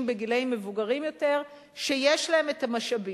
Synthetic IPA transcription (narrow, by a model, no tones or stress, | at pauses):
mbeɡileimːevuɡaʁimjo̞te̞ʁ | ʃe̞jeʃlae̞metamaʃabi